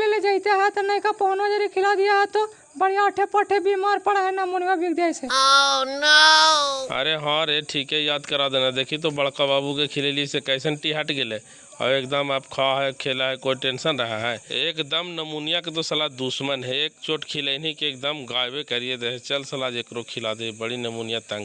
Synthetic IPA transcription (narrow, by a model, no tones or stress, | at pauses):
leled͡ʒəɦit̪eɦɛt̪ɔnəjkapəɦonad͡ʒəɾikʰilad̪ijaɦɛt̪ɔ | bəɽ̤ijaəʈʰepəʈʰebimaɾpəɽaɦɛnəmunijabʱik̚d̪ajseana | ə̰ɾeɦə̃ɾeʈʰikejad̪kəɾad̪enad̪ekʰit̪ɔbəɽkababukekʰileliesekəsənʈiɦaʈɡele | a̰ekd̪əmabkʰaɦɛkʰelaɦɛkoiʈensənɾəɦaɦɛekd̪əmnəmunijaket̪osəlad̪usmənɦɛek̚t͡ʃoʈkʰilenikek̚d̪əmɡajbekəɾied̪eɦɛt͡ʃəlsəlad͡ʒekɾokʰilad̪ebəɽinəmunijat̪ə̃ŋɡ